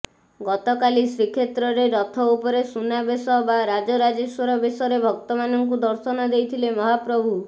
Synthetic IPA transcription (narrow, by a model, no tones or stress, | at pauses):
ɡɔt̪ɔkalisɾikʰet̪ɾɔɾeɾɔt̪ʰɔupɔɾesunabesɔbaɾad͡ʒɔɾad͡ʒeswɔɾɔbesɔɾebʱɔk̚t̪ɔmanɔŋkud̪ɔɾsɔnɔd̪ejt̪ʰilemɔɦapɾɔbʱu